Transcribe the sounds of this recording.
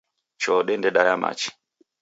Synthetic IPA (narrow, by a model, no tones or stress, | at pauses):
t͡ʃɔɗɛndɛɗajama̰t͡ʃi̥